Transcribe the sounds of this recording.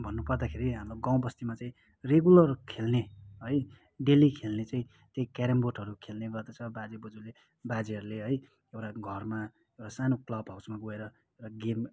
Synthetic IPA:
bʱʌnːupʌrd̪akʰeɾiɦamɾoɡãw̃bʌst̪imat͡saĩ | reɡulʌrkʰelneɦʌj | ɖelikʰelnet͡saĩ | t̪jejkaɾemboʈɦʌɾukʰelneɡʌrd̪at͡sʰʌbad͡zibʌd͡zule | bad͡ziɦʌɾuleɦʌj | ewʈaɡʱʌrma | ewʈasanoklʌbɦawsmaɡoeɾʌ | eɾaɡem

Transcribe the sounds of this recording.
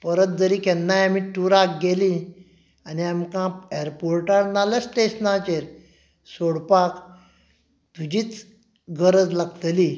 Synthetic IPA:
pəɾət̪̚d͡zəɾiːkɛnːajamiʈuɾakɡeli | aniamkãeɾpoɾʈaɾnaləsʈesnat͡ɕeɾ | soɽpak | t̪ud͡ʑiːt͡s | ɡəɾəd͡zlaɡt̪li

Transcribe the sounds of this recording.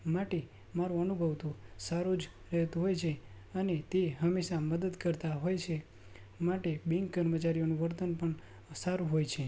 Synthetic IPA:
maʈe | maɾuənubʱəʋt̪usaɾud͡ʒ | ɾɛɦt̪ũɦojt͡ʃʰe | ənet̪eɦəmeʃaməd̪əd̪kəɾt̪aɦojt͡ʃʰe | maʈebiŋɡkəɾmət͡ʃaɾijonuʋəɾt̪ənpəɳ | saɾuɦojt͡ʃʰe

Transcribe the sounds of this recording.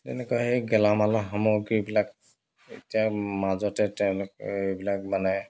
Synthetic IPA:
tɛnɛkɔjɦejɡɛlamalɔɦamoɡibilak | ḛtijamazɔtɛtɛw̃lʊk̚ebilak̚manaj

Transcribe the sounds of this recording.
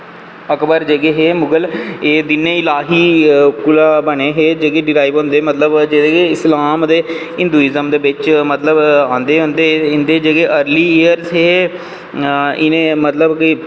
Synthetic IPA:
əkbəɾd͡ʒeɡeːɦeːmʊɡəleːd̪ɪnːẽːɪlaːɦiːkʊlaːbəɳeːɦeːd͡ʒəɡeːɖɪɾaːiʋɦõːnd̪eːmət̪ləbd͡ʒed̪eɡeɪslaːmd̪eː | ɪ̃nd̪uːɪzəmd̪eːbɪt͡ʃmət̪ləbãːnd̪eːɦʊ̃nd̪eːɪnd̪eːd͡ʒəɡeːʔəɾliːiəɾzɦeː | ɪnẽːmət̪ləbki

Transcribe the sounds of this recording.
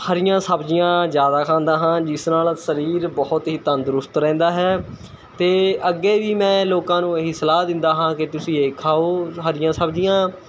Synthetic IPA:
həɾɪjãːsəbd͡ʒɪjãːd͡ʒjaːd̪aːkʰãːnd̪aːɦãːd͡ʒɪsnaːlsəɾiːɾbɔːʊt̪ɦiːt̪ə̃nd̪ʊɾʊst̪ɾɛ̃ːnd̪aːɦɛː | t̪eːəɡeːʋiːmɛ̃ːloːkãːnũːeɦisəlaːd̪ɪ̃nd̪aːɦãːkɪt̪ʊsĩːeːkʰaːoːɦəɾɪjãːsəbd͡ʒɪjãː

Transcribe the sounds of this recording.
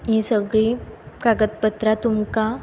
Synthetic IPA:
ɦĩsəɡɭikaɡət̪̚pət̪ɾat̪umka

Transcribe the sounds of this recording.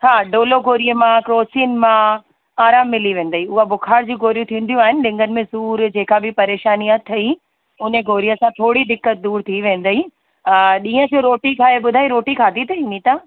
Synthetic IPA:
haːɖoːloɡʱoːɾijəmãkɾoːt͡ɕiːnmã | aːɾaːmːɪliʋẽːn̆d̪əiʊɦabʊkʰaːɾd͡ʑũːɡʱoːɾijũt̪ʰĩːnd̪ijũaːɦɪnɪɗɪ̃ŋɡənɪ̆mẽsuːɾd͡ʑeːkabɪpɐɾeːʃaːniət̪ʰɐi | ʊneɡʱoːɾijəsãt̪ʰoːɽid̪ɪkːət̪̚d̪uːɾt̪ʰiʋẽːn̆d̪əi | ɗĩːə̃d͡ʑoɾoːʈikʰaːeɓʊd̪ʱaːiɾoːʈikʰaːd̪it̪ɐĩːnit̪aː

